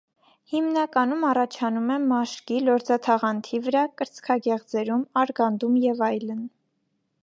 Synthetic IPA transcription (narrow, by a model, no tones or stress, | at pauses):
himnɑkɑnumɑrɑt͡ʃʰɑnumɛmɑʃkilɔɾd͡zɑt̪ʰɑʁɑnt̪ʰivəɾɑkəɾt͡skʰɑɡɛʁd͡zɛɾumɑɾɡɑnd̪umjɛvɑjlən